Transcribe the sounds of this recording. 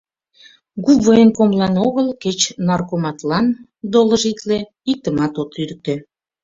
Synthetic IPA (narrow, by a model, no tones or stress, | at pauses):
ɡuβəenkomlɑnoɣəlket͡ɕnɑrkomɑt̪lɑn | d̪oləʒit̪le | ik̚t̪əmɑt̪ot̪yɾk̚t̪ø